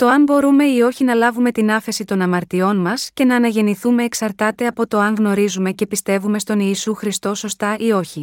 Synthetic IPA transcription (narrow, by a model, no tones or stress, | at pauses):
t̪o̞ɐmbo̞ɾume̞io̞çinɐlɐvume̞t̪inɐfe̞sit̪o̞nɐmɐɾt̪io̞nmɐsce̞nɐːnɐʝe̞niθume̞ːksɐɾt̪ɐt̪e̞ɐpo̞t̪o̞ɐŋɣno̞ɾizume̞ce̞pist̪e̞vume̞st̪o̞niːsuxɾist̪o̞so̞st̪ɐʔio̞çi